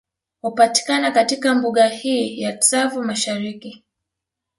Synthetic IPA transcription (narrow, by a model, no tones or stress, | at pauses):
hupati̥kanakatikambuɠahiːjaksavumaʃaɾiki